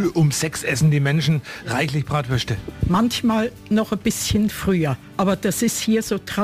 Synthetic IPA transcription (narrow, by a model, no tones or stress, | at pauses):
ʔʊmsɛksʔɛsn̩diːmɛnʃn̩ʁaɪçlɪçb̥ʁaːtv̥œʃtəmançmaːl | nɔχəb̥ɪsçənfʁ̥yːɐʔaːbɐd̥asɪsthiːɐzoːtʁ̥a